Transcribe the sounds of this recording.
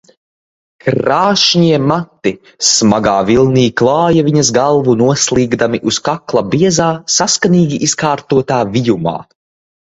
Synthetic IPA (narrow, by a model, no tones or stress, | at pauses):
kɾaːʃɲiɛmat̪ːi | smaɡaːvilˠniːklˠɑːjaviɲɐzɡalˠvunuɔslˠiːɡd̪amiʔuskaklˠabiɛzaːsaskaniːɡʲiʔiskaːɾt̪uɔt̪aːvijuma̰ː